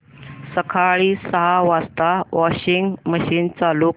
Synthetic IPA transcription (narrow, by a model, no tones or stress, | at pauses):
səkʰaɭiːsəɦaʋast̪aʋɔɕiŋɡməɕiːnt͡saluː